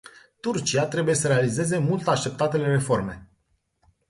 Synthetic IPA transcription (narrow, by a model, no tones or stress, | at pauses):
t̪urt͡ʃiat̪ɾe̞buje̞səɾe̞alize̞ze̞mult̪aʃt̪e̞p̚t̪at̪e̞le̞ɾe̞fo̞rme̞̰